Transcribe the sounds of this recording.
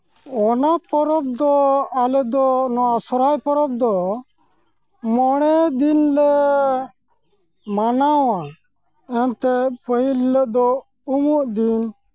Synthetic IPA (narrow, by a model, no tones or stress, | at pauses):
ɔnapɔɾɔb̚d̪ɔalɛd̪ɔnɔasɔɾajpɔɾɔb̚d̪ɔ | mɔɽ̃ɛd̪inlɛ | manawa | ɛnt̪ɛpəɦilːəʔd̪ɔ | umuʔd̪in